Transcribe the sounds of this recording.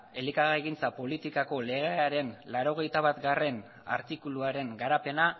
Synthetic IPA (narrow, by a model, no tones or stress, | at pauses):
e̞likaɣaeɣint͡sapo̞lit̪ikako̞le̞ɣ̞eaɾe̞nlaɾo̞ɣ̞e̞jt̪aβ̞at̪ɡare̞n | a̰ɾt̪ikuluaɾe̞ŋɡaɾape̞na